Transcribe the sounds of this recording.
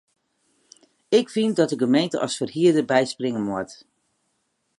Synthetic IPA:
ɪkfindɔt̚dəɡəmejntəʔɑ̰sfərhiədəbɛjsprɪŋənmɔt

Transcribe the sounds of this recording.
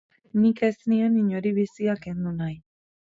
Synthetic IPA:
nike̞snieniɲo̞ɾiβisiake̞nd̪unaj

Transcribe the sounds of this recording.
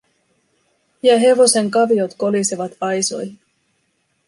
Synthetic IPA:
jɑɦe̞ʋo̞se̞ŋkɑʋio̞t̪ko̞liseʋɑt̪ɑjso̞jhi

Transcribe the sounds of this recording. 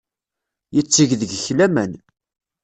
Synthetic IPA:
jət͡sːiʝðəɡçlæmæn

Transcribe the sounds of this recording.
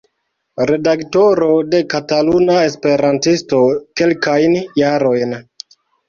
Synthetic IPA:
ɾe̞dakto̞ɾode̞katalunae̞spe̞ɾantisto̞ke̞lkajnjaɾo̞jn

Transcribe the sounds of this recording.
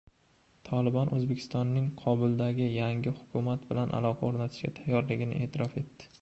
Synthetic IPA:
t̪ʰɒlɪbɒnʔɵzbe̞kʰʲɪ̥st̪ɒnːɪŋqʰɒbɪlˠd̪aɡʲɪjaŋʲɪhʊkʰʲʊmat̪bɪlanʔa̰lˠɒqʰɑoɾnat̪ʰɪ̥ʃkʲa̰t̪ʰajːɒɾlɪɡʲɪnɪ̰ʔe̞ːt̪ʰɪɾɒfe̞t̪ːɪ̥

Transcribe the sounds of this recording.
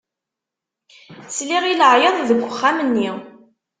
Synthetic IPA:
sliʁiləʕjɑðˤðəɡʷːəχːamənːi

